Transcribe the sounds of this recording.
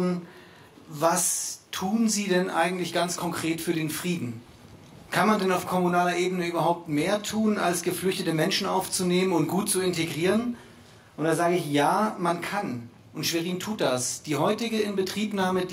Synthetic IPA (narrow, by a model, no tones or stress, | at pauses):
n̩ | vastʰuːnziːdɛnʔa̰ɪɡŋ̩tlɪçɡ̥ant͡skʰɔŋkʁ̥eːtfyːɐdeːnfʁ̥iːdn̩ | kʰanmandɛnaʊfkʰɔmunaːlɐʔeːbənəʔyːbɐɦaʊp̚tmeːɐtʰuːna̰lsɡ̥əflʏçtətəmɛnʃn̩ʔa̰ʊft͡suneːmənʊnt̚ɡ̥uːt̚t͡suɪnteɡʁiːʁən | ʔʊntd̥aːzaːɡəɪçjaːmankʰan | ʔʊntʃv̥eʁiːntʰuːt̚d̥asd̥iːɦɔʏtɪɡəɪnbətʁ̥iːpnaːməd